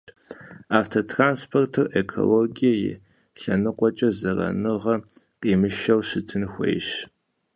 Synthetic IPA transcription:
aːftʰotʰraːnspʰortʰɨrekʰo̰loɡijɐjɪ̰ | ɬɐnɨqʷʼɔt͡ʃʼɐzɐrɐ̰nɨʁɐ | qʼiːmɨʃɐwɕɨtʰɨnxʷḛjɕ

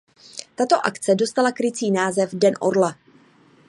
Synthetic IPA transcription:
t̪at̪o̞ʔakt͡sɛdo̞st̪alakɾɪt͡siːnaːzɛvdɛnʔo̰ɾla

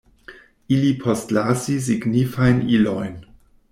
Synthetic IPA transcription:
ilipʰostlasis̬iɡnifajnilojn

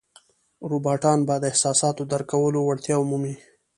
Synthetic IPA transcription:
ɾubɑʈɑnbad̪əɪhsɑsɑt̪od̪əɾkawəlowaɽt̪jɑʊmumi

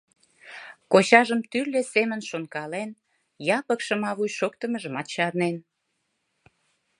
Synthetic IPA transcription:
koɕɑʒəmt̪ylːesemənʃonkɑlen | jɑpəkʃə̆mɑβujʃokt̪əməʒəmɑt̪̚t͡ɕɑɾnen

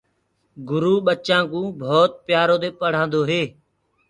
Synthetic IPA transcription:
ɡʊɾuːɓət͡ʃãːkũːbʱoːt̪̚pjaːɾoːt̪eːpəɽ̤ãːnd̪oːɦeː

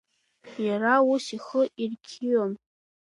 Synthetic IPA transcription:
jaɾausiχəʔirkʲʰiɥom

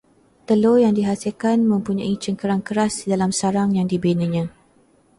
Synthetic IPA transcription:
t̪əlojaŋdiɦasilkanmə̃mpuɲãit͡ʃəŋkəɾaŋkəɾasdalamsaɾaŋjaŋdibenə̃ɲã

